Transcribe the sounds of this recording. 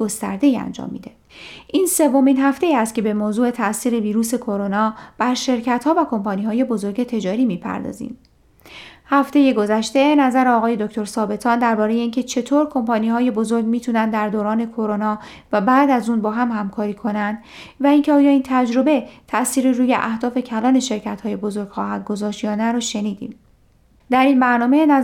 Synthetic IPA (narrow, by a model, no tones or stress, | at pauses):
ɡo̞st̪æ̰ɾd̪e̞iːæ̰nd͡ʒɒ̰ːmːḭːd̪e̞ | ʔiːnse̞vːo̞minɦæft̪e̞iːæst̪̚cʰe̞bemoːzuːe̞t̪ʰæʔsiːɾe̞viːɾuːse̞kʰo̞ɾo̞nɒːb̥æɾʃe̞ɾcʰæt̪hɒːvækʰo̞mpʰɒːniːhɒːje̞bo̞zo̞ɾɟe̞t̪ʰe̞d͡ʒɒːɾiːmiːpʰæ̰ɾd̪ɒ̰ːzḭm | hæft̪e̞je̞ɡo̞zæʃt̪e̞næzæɾeɒːɣɒːje̞d̪o̞kcʰt̪ʰoɾsɒːbe̞t̪ʰɒːnd̪æɾbɒːɾeje̞incʰe̞t͡ʃʰe̞t̪ʰoːɾkʰo̞mpʰɒːniːhɒːje̞bo̞zo̞ɾɡmiːt̪ʰuːnænd̪d̪æɾd̪oːɾɒːne̞kʰo̞ɾo̞nɒː | væbæːd̪æzuːnbɒːɦæmhæmkʰɒːɾiːkʰo̞nænd̪̥ | væiːncʰeɒːjɒːiːnt̪ʰæd͡ʒɾo̞be̞t̪ʰæʔsiːɾiɾuːje̞̰ʔæ̰hd̪ɒːfe̞cʰælɒːne̞ʃe̞ɾcʰæt̪hɒːje̞bo̞zo̞ɾɡ̥xɒːhæd̪̚ɡozɒːʃt̪jɒːnæɾɒʃe̞niːd̪ḭːm | d̪æɾiːnbæɾnɒːme̞n